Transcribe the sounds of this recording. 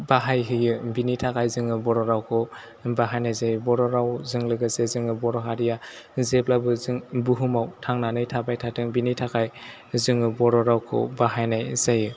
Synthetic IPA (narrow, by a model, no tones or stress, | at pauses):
baɦajɦɯjɯbinitʰakajzɯŋɯbɔɾɔɾawkʰɔ | baɦajnajzajɯbɔɾɔɾawzɯŋlɯɡɯsezɯŋɯbɔɾɔɦaɾijazeplabɯzɯŋbuɦumawtʰaŋnanɯjtʰabajtʰatʰɯŋbinitʰakaj | zɯŋɯbɔɾɔɾawkʰɔ̰baɦajnajzajɯ